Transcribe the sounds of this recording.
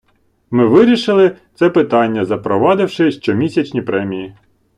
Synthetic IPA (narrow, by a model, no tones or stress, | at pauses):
mɪʋɪɾʲiʃɪlˠɪt̪sɛpɪt̪ɑnʲːɐzɐpɾɔʋɑd̪ɪwʃɪʃt͡ʃɔmʲisʲɐt͡ʃnʲipɾɛmʲiji